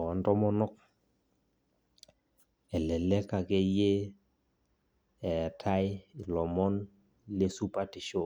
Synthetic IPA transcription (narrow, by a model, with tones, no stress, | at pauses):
ɔ˨ɔ˨˦ntɔ˦mɔ˦nɔ˦k̚ | ɛ˨lɛ˨le˦ka˨ke˦je˦ | ɛ˨tʰa˦jlɔ˨mɔ˦n | le˦su˦pa˦tɪ˨ʃo˦˨